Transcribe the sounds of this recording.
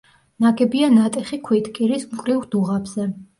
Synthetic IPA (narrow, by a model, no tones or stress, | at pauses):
naɡɛbianat̪ʼɛχikʰwit̪ʰkʼiɾismkʼɾiʁd̪uʁabz̥ɛ